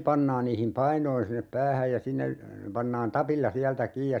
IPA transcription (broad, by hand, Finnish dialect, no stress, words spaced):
pɑnːɑːn niːhim pɑinoin sinːep pæːhæj jɑ sinːe pɑnːɑːn tɑpilːɑ siæltæ kiːj jɑ